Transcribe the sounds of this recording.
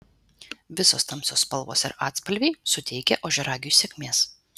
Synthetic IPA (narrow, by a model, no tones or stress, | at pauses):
ʋʲɪsoːst̪ɐmsʲoːspɐlˠʋo̰ːsɪ̰ɾɑːt̪ʲspɐlʲʋʲɛɪsʊt̪ʲɛɪkʲɛʔoːʒʲɛɾɑːɡʲɪjuːsʲɛkʲmʲeːs